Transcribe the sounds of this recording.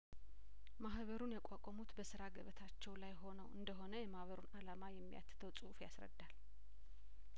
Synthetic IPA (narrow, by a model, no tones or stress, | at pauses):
mahβəɾunjakʼakʼɔmut̪bəsɨɾaɡəβət̪ʰat͡ʃːɛwlajho̞nəwʔɨ̰nd̪əɦo̞nəjɛmahβəɾunalamajɛmːija̰t̪ːɨ̥t̪ʰəwsʼufja̰sɾə̰d̪ːal